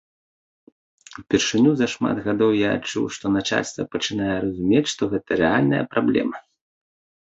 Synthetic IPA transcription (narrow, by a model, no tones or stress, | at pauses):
wpʲɛrʂɨnʲuzɐʂma̰d̪ɣad̪ɔwja̰ːt͡ʂṵwʂt̪ɔnat͡ʂa̰lʲst̪vɐ̰pɐt͡ʂɨnajɛɾɐzumʲet͡sʲʂt̪ɔɣɛt̪ɐɾɛalʲnɐjɐ̰pɾablʲɛ̰mɐ